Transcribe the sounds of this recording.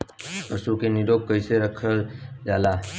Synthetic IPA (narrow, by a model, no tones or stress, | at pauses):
əsukeniɾok̚kəjseɾəkʰəld͡ʒala